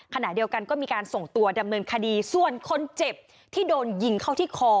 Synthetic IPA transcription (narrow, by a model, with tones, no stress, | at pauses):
kʰa˧na˨˩di˧əwka˧nkɔː˥˩miː˧kaː˧nso˨˩ŋt̪u˧ɐda˧mnɤː˧nkʰa˧diː˧su˨˩ənkʰo˧nt͡ɕe˨˩p̚ | t̪ʰiː˥˩doː˧nji˧ŋkʰa˥˩wt̪ʰiː˥˩kʰɔː˧